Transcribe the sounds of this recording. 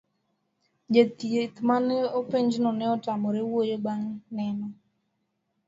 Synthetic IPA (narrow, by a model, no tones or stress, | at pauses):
d͡ʒet̪jet̪manɛopeɲd͡ʒnɔnɛɔtamɔɾewojebaŋnɛnɔ